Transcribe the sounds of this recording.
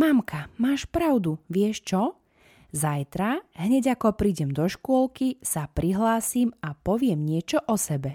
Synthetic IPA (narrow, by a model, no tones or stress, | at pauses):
mamkʰamaːʃpɾaʊd̪uʋɪɛʃt͡ʃɔ | zajt̪ɾaɦɲɛɟakɔpɾiːɟɛmd̪ɔʃkʊɔlkisapɾiɦlaːsiːmapɔʋɪɛmɲɪɛt͡ʃɔʔɔsɛbɛ